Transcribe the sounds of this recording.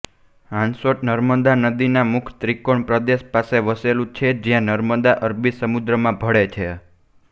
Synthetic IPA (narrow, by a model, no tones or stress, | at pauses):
ãnsoʈ̚nəɾməd̪anəd̪inamʊkʰt̪ɾikoɳpɾəd̪eʃpaseʋəselũt͡ʃʰed͡ʒjãnəɾməd̪aʔəɾbisəmud̪ɾəmãbʱəɽet͡ʃʰe